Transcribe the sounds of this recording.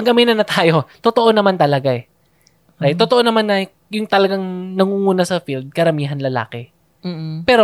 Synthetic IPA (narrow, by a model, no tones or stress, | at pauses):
ɐŋɡɐmiːnɐnɐt̪aːjo̞t̪ot̪oʔo̞nɐmant̪ɐlɐɡaɛ | ɾajt̪ːot̪oʔonɐmanːɐ | jʊŋt̪ɐlɐɡaŋnɐŋuːŋuːnɐsɐfild̪̚kɐɾɐmiːɦɐnlɐla̰ːkɛː | pɛːɾo